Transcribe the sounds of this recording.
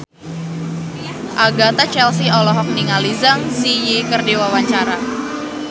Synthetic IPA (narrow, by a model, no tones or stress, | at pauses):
ʔaɡat̪at͡ʃɛls̬iɔlɔɦɔk̚niŋalizaŋsijikərdewawaɲt͡ʃaɾa